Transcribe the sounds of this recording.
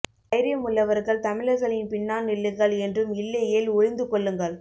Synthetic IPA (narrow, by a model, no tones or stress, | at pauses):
ɐɪɾɪjɐmʊɭːɐʋɐɾɣɐɭt̪ɐmɪɻɐɣɐɭɪnpɪɳːaːnnɪɭːɯŋɡɐɭɛndrɯmɪlːɐjeːlʊɻɪnd̪ɯkɔɭːɯŋɡɐɭ